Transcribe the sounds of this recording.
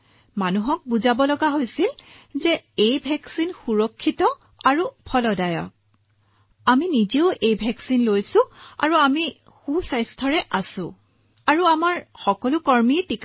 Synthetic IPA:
manuɦɔk̚buzabɔlɔɡaɦojsilzɛejbʱɛksinxuɹɔkʰːitɔ | aɹupʰɔlɔdajɔ̰k̚ | aminiziʊʔejbʱɛksinlojsʊ̃a̰ɹuami | xusajstʰɔɹɛʔasʊ̃ | aɹuamaɹxɔkɔlʊkɔɹmitik

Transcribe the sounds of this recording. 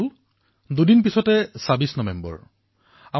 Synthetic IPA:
l | dudinpisɔtɛsabisnɔbɛmbɔ̰ɹ | a

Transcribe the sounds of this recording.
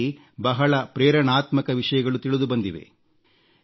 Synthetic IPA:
i | bɐɦɐɭɐpɾɛːɾɐɳaːt̪mɐkɐʋiʂɐjɐɡɐɭut̪iɭud̪ubɐnd̪iʋḛ

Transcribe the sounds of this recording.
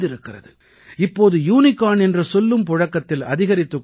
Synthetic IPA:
ðɪɾɯkːɪrɐ̰ðɯ | ɪpːoːðɯjuːnɪkːaːnɛndrɐsɔlːɯmpɔɻɐkːɐt̪ːɪlɐ̰ðɪɣɐɾɪt̪ːɯkː

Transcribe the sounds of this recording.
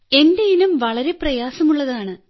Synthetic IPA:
e̞ndejinumʋɐɭɐɾe̞prɐjaːsɐmuɭːɐðaːɳɨ

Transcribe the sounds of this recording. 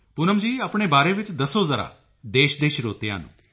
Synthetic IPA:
pʊnəmd͡ʒiːaːpɳeːbaːɾeːʋɪt͡ʃd̪əsoːzəɾa̰ː | d̪eːʃd̪eːʃɾoːt̪eja̰ːnṵ̃ː

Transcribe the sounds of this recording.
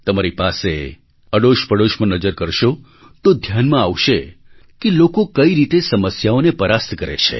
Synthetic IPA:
t̪əmaɾipase | əɽoʃpəɽoʃmə̃nəd͡ʒəɾkəɾʃo | t̪od̪ʱjanmãaʋʃekelokokəiɾit̪esəməsjaonepəɾast̪kəɾḛt͡ʃʰḛ

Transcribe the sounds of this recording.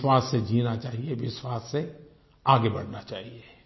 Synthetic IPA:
waːsːed͡ʒiːnat͡ʃaːɦieʋɪswaːsːe | aːɡebɐɽ̤nat͡ʃaːɦie

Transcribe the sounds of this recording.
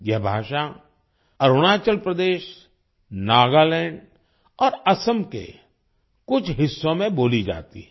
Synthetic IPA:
jɛɦbʱaːʃa | ɐɾoɽ̃aːt͡ʃəlpɾəd̪eːʃ | naːɡalɛ̃ːɳɖ | ɔːɾɐsəmkḛ | kʊt͡ʃʰɦɪsːõmẽboːlid͡ʒa̰ːt̪ḭɦɛ̃

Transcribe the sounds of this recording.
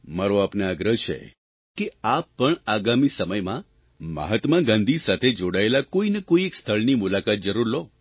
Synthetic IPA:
maɾoapneaɡɾəɦt͡ʃʰḛ | keapːəɳaɡamisəməjmã | mə̰ɦət̪mãɡãnd̪ʱisat̪ʰed͡ʒoɽaelakoinekoiekst̪ʰəɭnimulakat̪̚d͡ʒəɾuɾlo

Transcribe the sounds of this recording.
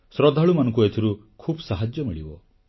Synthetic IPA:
sɾɔd̪ʱaɭumanɔ̃ŋkuet̪ʰiɾu | kʰuːbsaɦad͡ʒjɔmiɭibɔ̰

